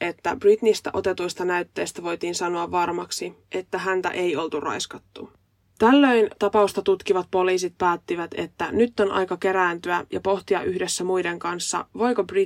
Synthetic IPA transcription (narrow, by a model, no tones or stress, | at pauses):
ʔe̞t̪ːæb̥rit̪nist̪æʔo̞t̪e̞t̪ujst̪ɑnæyt̪ːe̞ːst̪æʋo̞jt̪iːnsɑno̞ɑʋːɑrmɑksiʔe̞t̪ːæɦænt̪æ̰ʔe̞jo̞lt̪urɑ̰jskɑt̪ːu | t̪ælːø̞jnt̪ɑpɑust̪ɑt̪ut̪kiʋɑt̪̚po̞liːsit̪̚pæːt̪ːiʋæt̪e̞̰t̪ːænyt̪ːo̞nɑ̰jkɑke̞ɾæːnt̪yæjɑ̰po̞ht̪iɑʔyhde̞sːæmujde̞ŋkɑnsːɑ̰ʋo̞jkobri